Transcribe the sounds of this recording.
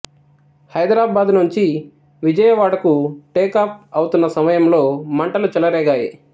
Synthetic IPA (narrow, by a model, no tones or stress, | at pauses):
hɐjd̪ɾaːbaːd̪nuɲt͡ʃi | ʋid͡ʒɐjɐʋaːɽɐkuʈeːkaːp̚ʰɐwt̪unːɐsɐmɐjɐmlo̞ːmɐɳʈɐlut͡ʃɛlɐɾɛːɡaːji